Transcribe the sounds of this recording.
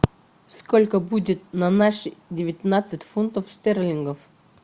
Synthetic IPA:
skolʲkəbudʲɪt̪̚nɐnaʂdʲɪvʲɪt̪ʲnat̪sɨtʲfunt̪əfst̪ʲerlʲɪŋɡəf

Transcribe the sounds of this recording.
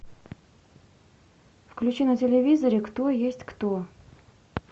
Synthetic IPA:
fklʲʉt͡ɕinətʲɪlʲɪvʲizəɾʲɪkt̪ojesʲtʲkt̪o

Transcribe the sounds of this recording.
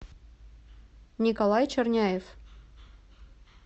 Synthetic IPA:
nʲikolˠɑjt͡ɕɘ̆rnʲæjef

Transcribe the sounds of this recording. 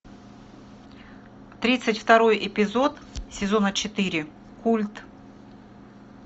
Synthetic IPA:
t̪ɾʲit̪sɨtʲft̪ɐɾo̞jʔɪpʲɪzo̞t̪sʲɪzo̞nət͡ɕɪt̪ɨɾʲɪ | kulʲt̪

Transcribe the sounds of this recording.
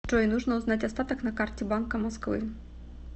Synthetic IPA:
t͡ʂɔinuʐnɐuznatʲɐst̪at̪ɐknɐkartʲɛbankɐmaskvɨ̰

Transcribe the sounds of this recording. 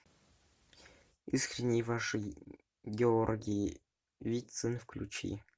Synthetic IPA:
iskrʲinʲːijvaʂɨ | ɡʲeorɡʲij | vʲisɨnfklʲut͡ɕḭ

